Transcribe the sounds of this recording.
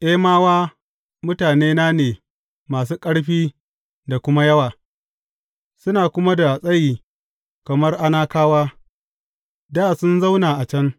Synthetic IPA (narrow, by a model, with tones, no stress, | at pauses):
ʔe˦maː˦waː˦ | mʊ˦taː˨neː˦naː˦neː˨ | maː˨s̬uː˦kʼɐ˦ɽɸiː˦ | da˨kʷʊ˦ma˦jɐ˦waː˨ | sʊ˦naː˨kʷʊ˦ma˦da˨sʼɐ˦jiː˨ | kɐ˨mɐ˦rʔa˦naː˦kaː˦waː˦ | daː˦˨sʊ˦nza˦wnaː˨ʔa˨t͡ʃɐ˦ŋ